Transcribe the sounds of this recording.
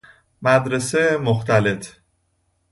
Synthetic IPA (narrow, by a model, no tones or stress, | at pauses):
mæd̪ɾesemoxt̪ʰæle̞t̪ʰ